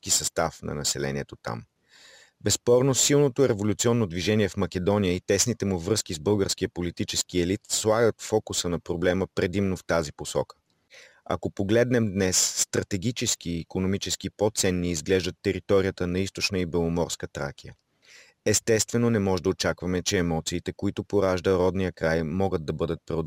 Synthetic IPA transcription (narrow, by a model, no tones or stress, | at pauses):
kisɐst̪afnɐ̰nɐsɛlɛ̰nʲiɛt̪ot̪a̰m | bɛspɔɾnosilˠnot̪oiɾɛvolʲut̪siɔnːod̪viʒɛniɛfmɐkʲɛd̪ɔnijəit̪ɛsnit̪ɛmuvɾɤskizbɤlˠɡəɾskijəpolit̪it͡ʃɛsk̟iɛlit̪slˠaɡət̪fɔkusənɐpɾoblɛməpɾɛd̪imnoft̪aziposɔ̰kə̥ | ɐa̰kopoɡlɛd̪nɛmd̪nɛsːt̪ɾɐt̪ɛɡ̟ʲit͡ʃɛsk̟iːkonomit͡ʃɛsk̟ipot̪sɛnːiizɡlɛʒd̪ət̪ːɛɾit̪ɔɾijət̪ənɐist̪ot͡ʃnəibɛlˠomɔɾskət̪ɾa̰kijə̰ | ɛst̪ɛst̪vɛnonɛmɔʒɛd̪əot͡ʃakvɐmɛt͡ʃɛːmɔt̪siːt̪ɛkoit̪ʊpoɾaʒd̪əɾɔd̪nijəkɾajmɔɡəd̪̚ːɐbɤd̪ət̪̚pɾɛo